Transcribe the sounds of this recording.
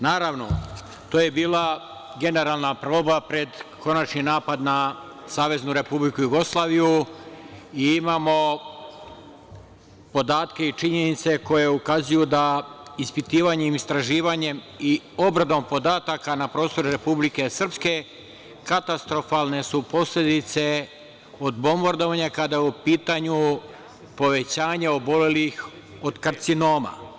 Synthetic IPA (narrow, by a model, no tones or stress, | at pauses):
naːɾaʋno | t̪oːje̞biːlˠa | ɡe̞ne̞ɾaːlˠnapɾo̞ːbapɾe̞d̪kʰo̞nat͡ʃninaːpad̪na | saːʋe̞znuɾe̞publikujuɡo̞slˠaːʋiju | iimaːmo̞ | po̞d̪aːt̪ke̞it͡ʃiɲe̞nit̪se̞ko̞je̞ukazujud̪aispit̪iːʋaɲemist̪ɾaʒiːʋaɲe̞m | i | o̞bɾad̪o̞mpo̞d̪aːt̪akanapɾo̞ːst̪o̞ɾuɾe̞publike̞sr̩pske̞ | kat̪ast̪ɾo̞falne̞supo̞sle̞d̪it̪se̞ | o̞d̪bo̞mbaɾd̪o̞ʋaɲakad̪ajupiːt̪aɲu | po̞ʋe̞t͡ɕaːɲao̞bo̞le̞lix | o̞d̪kaɾt̪sino̞ːma̰